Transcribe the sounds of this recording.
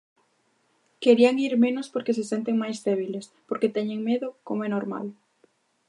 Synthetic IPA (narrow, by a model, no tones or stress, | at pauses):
keɾiaŋiɾmenospoɾkesesent̪eŋmajzðɛβ̞ilespoɾket̪ɛɲeŋmeðʊkomoɛnoɾma̰l